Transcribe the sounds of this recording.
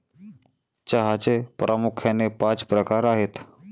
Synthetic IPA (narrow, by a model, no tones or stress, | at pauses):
t͡ʃaɦaːt͡ʃepɾʔəmʊkʰɛːnepãːt͡ʃpɾəkaːɾaːɦet̪ʰ